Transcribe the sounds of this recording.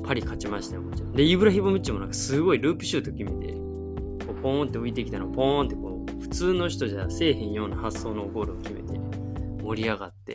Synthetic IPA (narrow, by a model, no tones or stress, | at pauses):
pʰaɾʲikʰat͡ɕimaɕi̥t̪aomot͡ɕad̪e̞ibɯ̟ɾaçibomɯ̟t͡ɕimo̞nãŋkḁsɨɡo̞iɾɯ̟ːpɯ̟ɕɨːt̪o̞kʲime̞t̪e̞̰ | ko̞ːpõnt̪ːe̞oit̪e̞kʲit̪anoapõnt̪ːe̞ko̞ː | ɸɯ̟̥t͡sɨːno̞çi̥t̪o̞ʑase̞ːɦẽɰ̃jo̞ːnahasːo̞ːnoːɡo̞ːɾiokʲime̞̰t̪e̞̰ | mo̞ɾʲiaɡat̪ːe̞̰